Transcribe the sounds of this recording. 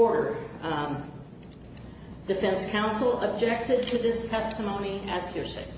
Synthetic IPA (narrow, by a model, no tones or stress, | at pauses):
ɔɹɾə˞ | d̥ɨfɛ̃nskʰãʊ̃nsl̩ˠəb̚d͡ʒɛk̚tɨd̚tʰɨðɪstʰɛstɨmõʊ̃ñiɨz̥hɪɹsḛɪ